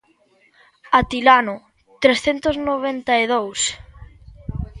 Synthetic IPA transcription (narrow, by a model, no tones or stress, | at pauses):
at̪ilanʊ | t̪ɾesθent̪ʊznoβ̞ent̪aiðows